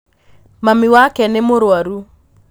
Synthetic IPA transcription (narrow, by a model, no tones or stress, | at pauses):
mamiwakɛnemoɾwaɾu